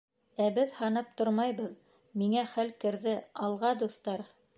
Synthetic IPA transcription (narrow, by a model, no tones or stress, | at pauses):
æbɘðhɑnɤp̚t̪oɾmɑjβɤð | miŋæχælkɘ̆ɾðɘɑlˠʁɑd̪uθt̪ɑɾ